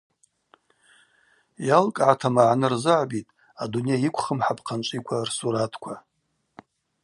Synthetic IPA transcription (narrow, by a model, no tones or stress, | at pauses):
jalkʼʕatʰamaʕnɨrzɨʕbitʼ | adunejaikʷʰχəmħapʰqʰant͡ʃʷʼikʷʰarsuɾatʰkʷʰa